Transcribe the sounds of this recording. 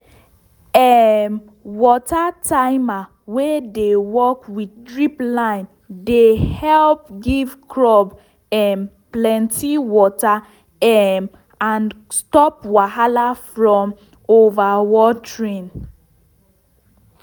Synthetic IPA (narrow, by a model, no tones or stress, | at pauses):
ɛm | wɔtataɪma | wedewɔkwiddɹiplãɪ̃n | dehɛlp̚ɡivkɹɔb | ɛmplɛ̃ntʰiwɔta | ɛm | ãn | stɔpwaɦalafɹɔ̃m | ovawɔtɹĩn